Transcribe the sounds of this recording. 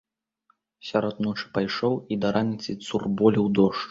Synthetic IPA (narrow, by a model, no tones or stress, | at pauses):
sʲaɾɔd̪nɔt͡ʂɨ̥pajʂɔwid̪ɐɾʔanʲit̪sʲɨt̪surbɔlʲiwd̪ɔʂt͡ʂ